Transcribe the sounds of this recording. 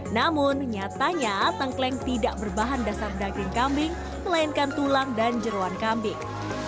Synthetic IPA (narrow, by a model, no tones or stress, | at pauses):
namʊnɲat̪aɲat̪əŋklɛŋt̪idaʔ̚bərbaɦandasardaɡɪŋkambɪŋ | məlaɪnkant̪ulaŋdand͡ʒəɾoankambɪŋ